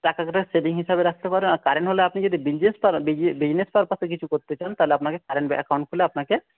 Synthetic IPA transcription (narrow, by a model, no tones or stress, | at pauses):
ʈakakeʈaseʈiŋɦiʃabeɾak̚ʰt̪epaɾbenaɾkaɾenɦoleapnid͡ʑod̪ibid͡ʑnespabibid͡ʑnespaɾpasek̬it͡ɕʰukoɾt̪et͡ɕant̪aɦleapnakekaɾeɳbɛʔakawɳʈkʰuleapnake